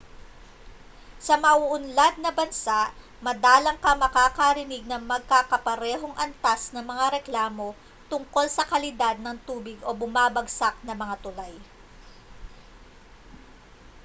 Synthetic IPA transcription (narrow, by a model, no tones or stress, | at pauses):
sɐmɐʔuʔʊnlad̪̚nɐbɐnsaʔ | mɐd̪aːlɐŋkɐmɐkaːkɐɾɪnɪɡ̚nɐŋmɐɡ̚kakɐpɐɾɛːɦo̞ŋʔɐnt̪asnɐŋmɐŋaɾɛklaːmo̞ | t̪ʊŋko̞lsɐkɐlɪd̪ad̪̚nɐŋt̪uːbɪɡʔo̞bʊmaːbɐɡsak̚nɐmɐŋat̪ʊlaj